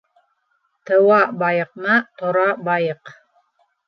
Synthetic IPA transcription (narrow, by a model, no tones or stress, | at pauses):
t̪ɤ̆wɑbɑjɤ̆q̚nɑt̪ŏɾɑbɑjɤq